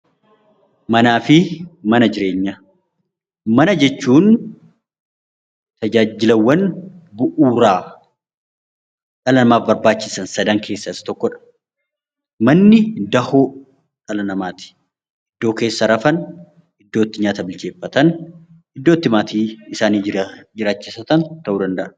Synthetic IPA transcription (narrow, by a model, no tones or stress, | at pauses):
mɐnaːfɪmɐnɐd͡ʒɪɾe̞ːɲːɐ | mɐnɐd͡ʒɛt͡ʃːuːn | t̪ɐd͡ʒaːd͡ʒɪlɐwːɐnbʊʔuːɾaː | ᶑɐlɐnɐmaːfbɐɾbaːt͡ʃːɪsɐnsɐd̪ɐŋkʰe̞ːsːɐɪsɐ̥t̪ɔkːɔᶑɐ̥ | mɐnːɪd̪ɐhoː | ᶑɐlɐnɐmaːt̪ɪ̥ | ʔɪd̪̥ːo̞ːke̞ːsːɐɾɐfɐn | ɪd̪ːo̞ːt̪ːɪɲaːt̪ɐbɪlt͡ʃe̞ːfːɐt̪ɐn | ɪd̪ːoːt̪ːɪmaːt̪iːɪsaːniːd͡ʒɪɾaːt͡ʃːɪsɐt̪ɐnt̪ɐʔuːd̪ɐnd̪ɐʔɐ